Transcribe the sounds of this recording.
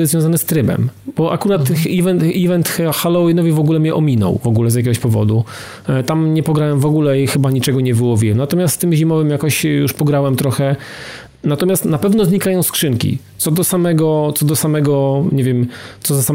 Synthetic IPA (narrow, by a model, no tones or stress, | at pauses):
vjɔ̃zanɛst̪ɾɘbɛ̰mbɔʔa̰kuɾat̪ivɛnivɛnt̪xalɔinɔvʲivɔɡulɛmɲɛʔɔmʲinɔ̰wvɔɡulɛzʲjakʲɛɡɔɕpɔvɔ̰d̪u | t̪amɲɛpɔɡɾawɛmvɔɡulɛixɘbaɲit͡ʂɛɡɔɲɛvɘwɔvʲiwɛmnat̪ɔmʲjast̪t̪ɘmʑimɔvɘmjakɔɕjuʂpɔɡɾawɛmt̪ɾɔxɛ | nat̪ɔmʲjast̪napɛvnɔzɲikajɔ̃w̃skʂɘŋkʲḭt̪ɔd̪ɔsamɛɡɔt̪sɔd̪ɔsamɛɡɔɲevʲjɛmt̪sɔzasa